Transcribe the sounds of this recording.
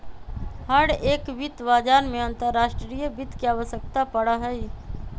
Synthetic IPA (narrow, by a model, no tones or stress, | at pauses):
həɽeːkbɪt̪baːd͡ʒaːɾmẽɐ̃nt̪əɾːaːʃʈɾɾijəbɪt̪kiaːʋəʃjək̚t̪apəɽaɦɛi